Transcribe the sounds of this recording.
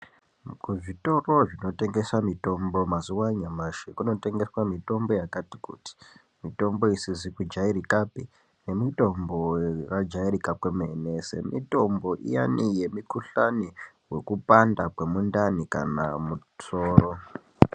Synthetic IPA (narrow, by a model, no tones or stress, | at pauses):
kuʐito̞ro̞ʐino̞te̞ŋɡe̞swamito̞mbo̞mazuwaɲamaʃikuno̞te̞ŋɡe̞swamito̞mbo̞jakati̥kṵti̥ | mito̞mbo̞isizikud͡ʒaiɾikapi | ne̞mito̞mborad͡ʒairikapwemenese̞̰mito̞mbo̞ʔḭja̰nije̞mikuɬani | we̞kupandakwe̞mundanika̰na̰mu | soːro